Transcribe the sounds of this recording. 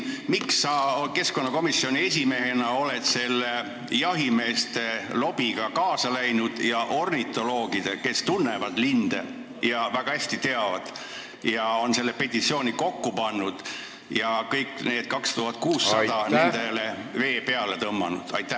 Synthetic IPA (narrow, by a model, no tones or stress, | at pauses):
miksːɑke̞sko̞nːɑko̞misːio̞nʲie̞sʲime̞ɦenɑo̞let̪se̞lːe | jɑɦime̞ːst̪e̞lo̞b̥iɡ̥ɑkɑːsɑlæjnud̪̥jɑʔo̞rnit̪ˑo̞lo̞ːɡ̥id̪̥eke̞st̪unːe̞vɑd̪̥lind̪̥ḛ | jɑvæɡ̥ɑhæsʲt̪it̪e̞ɑvɑd̪̥ | jɑo̞nse̞lːepe̞t̪ʲːˑit̪sio̞ːnʲiko̞kːupɑnːud̪̥ | jɑkɤjkːne̞ːd̪̥kɑkst̪uɦɑt̪̚ːˑkuːsːɑd̥̪ɑnend̪eleve̞ːpe̞ɑlet̪ɤmːɑ̰nṵd̪̥ɑjt̪ːˑæ